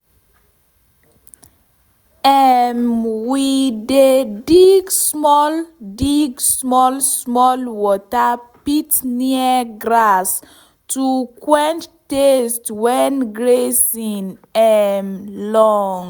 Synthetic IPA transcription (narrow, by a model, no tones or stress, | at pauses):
ɛmwidediɡsmɔldiɡsmɔlsmɔlwɔtapitniəɡɾas | tukwɛ̃nttestwɛnɡɹesinɛmlɔŋ